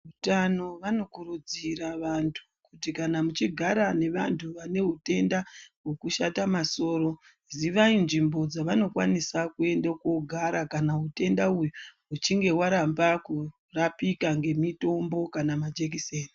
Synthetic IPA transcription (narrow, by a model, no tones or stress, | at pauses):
utano̞ʋano̞kuɾud͡ziɾaʋantʰu̥kutikanamut͡ʃiɡʱaɾane̞ʋantʰuʋane̞ɦute̞ndawo̞kuʃatamaso̞ːɾo̞ | ziʋainʐimbo̞d͡zaʋano̞kwanisakue̞ndako̞ɡʱaɾakanaute̞ndauju | ut͡ʃiŋɡe̞waɾambaku | rapikaŋɡe̞mito̞mbo̞kanamad͡ʒe̞k̬iseːni